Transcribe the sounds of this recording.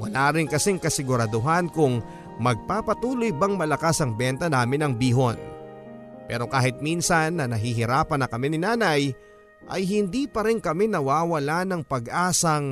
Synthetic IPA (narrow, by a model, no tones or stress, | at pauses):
wɐ̰laːɾɪŋkɐsɛŋkɐsɪɡʊɾɐd̪ʊɦankʊŋ | mɐɡ̚paːpɐt̪uːlojbɐŋmɐlɐkasɐŋbɛnt̪ɐnaːmɪnɐŋbiːɦon | pɛ̰ːɾo̞kaːɦɪt̪̚minsɐnːɐnɐɦiɦɪɾaːpɐnɐkɐmɛnɪnaːnɐj | ʔɐ̰jɦɪnd̪ipɐɾɪŋkɐmɛnɐwaːwɐlanɐŋpɐɡʔaːsɐŋ